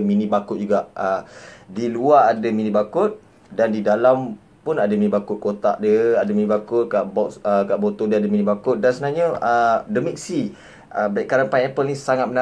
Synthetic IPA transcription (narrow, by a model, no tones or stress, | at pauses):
minibakʊt̪̚d͡ʒuɡaʔədiluaːdaminibakʊt̪̚ | dandidalam | pʊnadəminibakʊt̪̚kot̪a̰ʔdəadəminibakʊt̪̚kaʔbɔʔsəkaʔbot̪ɔdəadəminibakʊt̪̚dansəənaɲəədəmik̚si | əbaiʔkːaɾanpaɛpəlnĩsaŋat̪̚məna